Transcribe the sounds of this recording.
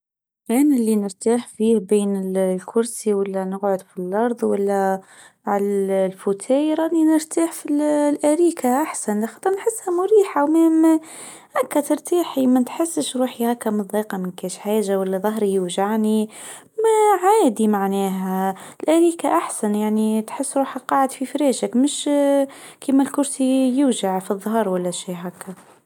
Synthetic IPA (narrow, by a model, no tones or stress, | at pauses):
ʔænɪlːinəɾt̪aːħfiːhbeːnɪllkʰʊɾsiwalːænəɣʕʊd̪filʔɑɾˤðˤwalːæ | ʕalælfut̪ʰæːjɾˤɑːd̪inəɾt̪aːħfillʔæɾiːkʰaʔaħsanlæxɑt̪ˤəɾˤnħəsːhæmʊɾiːħawmæːm | ʔækːæt̪əɾt̪iːħimænt̪ħəsːəʃɾuːħihækːæmɨðˤiːqɑmɪnkɛːʃħaːʒawælːæðˤɑɦɾijuʒaʕani | mæʕaːd̪imaʕnɛːɦælʔæɾiːkaʔaħsænjaʕnit̪ħəsːɾuːħaqɑʕəd̪fifɾɛːʒəkmʊʃ | kiːmælkʊɾsijʊʒaʕfiðˤːɦɑːɾˤwælːæʃiːɦækʰːæ